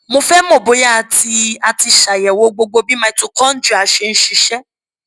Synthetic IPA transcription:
mõ˧fɛ˦mo˦˨bo˨˦ja˦˨ti˧a˧ti˧ʃa˨jɛ˨wo˧˦ɡ͡bo˧ɡ͡bo˧bi˦mã˧i˦to˦kɔ̃˦n̩˦d͡ʒu˦˨a˨ʃe˧ñ̩˦ʃi˧ʃɛ˦

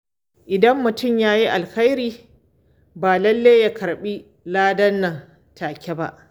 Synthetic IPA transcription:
ʔɪ˨dɐ˦mːʊ˨tʊ˦˨mjaː˦ji˦ʔa˨lxa˦jɾiː˦ | baː˨lɐ˦lːeː˦ja˦kʰɐ˨ɾɓi˦ | laː˦dɐ˦nːɐ˨ŋ | tʰaː˨kʲe˦ba̰˦ʔ

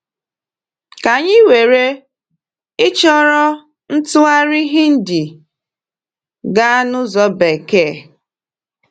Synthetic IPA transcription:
ka˨ɲɪ˦we˨ɾe˦ | ɪ˦t͡ʃɔ˦ɾɔ˦ | n̩˦tʊ˦a˦ɾɪ˦ɦɪ˦n̩˦dɪ˨ | ɡa˦nʊ˦zɔ˨˦be˨ke˦˨

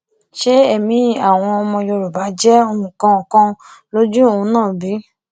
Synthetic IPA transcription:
ʃe˦ɛ˦˨mĩ˨˦a˦˨w̃ɔ̃˧ɔ˧mɔ̃˧jo˧ɾu˨ba˨˦d͡ʒɛ˦o˧mũ˨kã˧˦˨kã˧lo˦d͡ʒu˦o˦˨ũ˧nãː˦˨bi˨˦

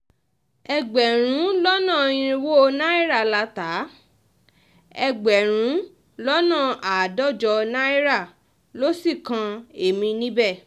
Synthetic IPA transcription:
ɛ˧ɡ͡bɛ˨ɾ̃ũ˨˦lɔ˦nã˦˨ĩ˧ɾ̃ĩ˧wo˦˧na˦i˦ɾa˦˨la˧ta˨˦ | ɛ˧ɡ͡bɛ˨ɾ̃ũ˨˦ | lɔ˦nã˦˨a˨dɔ˦˨d͡ʒɔ˧nã˦i˦ɾa˦˨ | lo˦si˦˨kã˧e˨mĩ˧nĩ˦bɛ˦˨

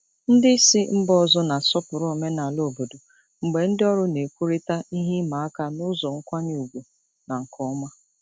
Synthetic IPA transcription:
n̩˦dɪ˦si˦m̩˦bɔ˦zɔ˦na˨sɔ˦pʊ˨ɾɔ˦˨me˦na˨lo˦˨bo˨do˨ | ŋ͡m̩˨ɡ͡be˨n̩˦dɪ˦ɔ˦ɾʊ˦ne˨kʷu˦ɾi˦ta˦i˦ɦi˦ma˨a˦ka˦nʊ˦zɔ˨ŋ̩˦kʷa˦ɲ˦u˨ɡʷu˨ | na˨ŋ̩˨kʰɔ˦ma˦

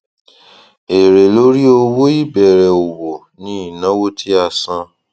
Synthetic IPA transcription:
e˨ɾe˨lo˦ɾi˦o˧wo˦i˦bɛ˨ɾɛ˨o˨wo˨ | nĩ˦i˨nã˨˦wo˦tʰi˦a˧sã˦

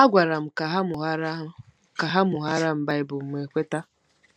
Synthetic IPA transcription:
a˦ɡʷa˨ɾa˨m̩˨ka˨ɦa˦mʊ˨ɦa˦ɾ | ka˨ɦa˦mʊ˨ɦa˦ɾa˦m̩˦ba˦ɪ˦bʊ˨m̩˨m˨e˨kʷe˦ta˦

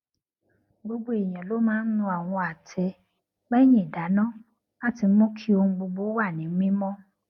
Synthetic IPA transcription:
ɡ͡bo˦ɡ͡bo˦e˨j̃ã˨lo˨˦mãː˦n̩˦nũ˧a˨w̃ɔ̃˧a˨tʰɛ˧ | bɛ˦j̃ĩ˦˨i˨da˨˦nãː˦˨ | a˦˨ti˧˦mɔ̃˦kʰi˦o˧hũ˧ɡ͡bo˧ɡ͡bo˦wa˦˨nĩ˨˦ĩ˦mɔ̃˦

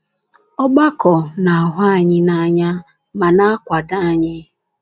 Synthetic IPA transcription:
ɔ˦ɡ͡ba˦kɔ˨na˨a˨ɦʊ˦a˦˨ɲɪ˦na˦ɲa˦ | ma˨na˦a˦kʷa˨da˦a˨ɲɪ˦

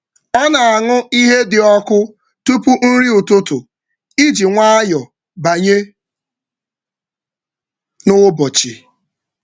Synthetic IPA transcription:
ɔ˦na˨a˨ŋʊ˦i˦ɦe˦dɪ˨ɔ˦kʊ˦ | tu˦pu˦n̩˦ɾi˦ʊ˨tʊ˦tʊ˨ | i˦d͡ʒi˨ŋʷa˦a˦jɔ˨ | ba˨ɲe˦ | nʊ˦bɔ˨t͡ʃi˨

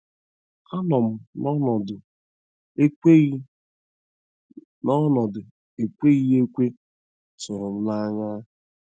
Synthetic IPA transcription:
a˦nɔ˨m̩˨nɔ˦nɔ˨d | nɔ˦nɔ˨dʊ˨ | e˨kʷe˦ɣi˦e˦kʷe˦ | tʊ˨ɾʊ˨m̩˦na˦ŋa˦˨

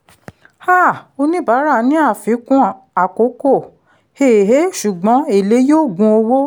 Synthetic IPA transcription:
ha˦˨o˧nĩ˦ba˨˦ɾa˦˨nĩ˨˦a˦˨fĩ˨˦kũ˦ | a˨ko˨˦ko˦˨ | he˦˨ɦe˨˦ʃu˨ɡ͡bɔ̃˨˦e˦˨le˨˦joː˦˨ɡũ˧o˧wo˦

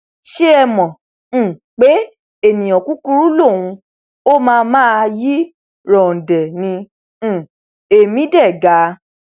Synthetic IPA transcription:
ʃe˦ɛ˧mɔ̃˨ | k͡pe˨˦ | e˦˨nĩ˨j̃ɔ̃˨ku˨˦ku˧ɾu˦lo˦˨wũ˧ | o˦mãː˦˧mãː˦˧ji˦ | ɾɔ̃˨dɛ˨nĩ˧˦˨ | e˨mĩ˨˦dɛ˦˨ɡa˨˦

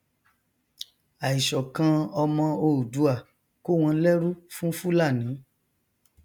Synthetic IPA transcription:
a˨i˨ʃɔ˨kã˨˧ɔ˧mɔ̃˧o˧˨u˨du˨˦a˦˨ | ko˦˨w̃ɔ̃˧˦lɛ˦ɾu˦fũ˦fu˦la˦˨nĩ˨˦

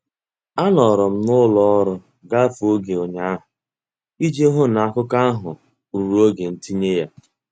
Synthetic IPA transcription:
a˦nɔ˨ɾɔ˨m̩˦nʊ˦lɔ˦ɔ˦ɾʊ˦ | ɡa˦fo˦ɡe˨o˨ɲa˦a˦ɦʊ˨ | i˦d͡ʒe˦ɦʊ˦n˨a˦kʊ˦ka˦a˦ɦʊ˨ | u˨ɾu˨o˦ɡe˨n̩˦ti˦ɲe˦ja˦

